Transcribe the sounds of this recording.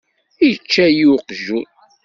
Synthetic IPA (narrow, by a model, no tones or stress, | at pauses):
ijət͡ʃːæjuqʒu